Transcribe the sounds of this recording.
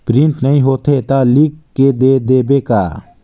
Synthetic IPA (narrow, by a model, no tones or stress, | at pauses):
pɾɪ̃ɳʈnɐɦĩɦoːt̪et̪alikkːed̪eːd̪eːbeka̰ː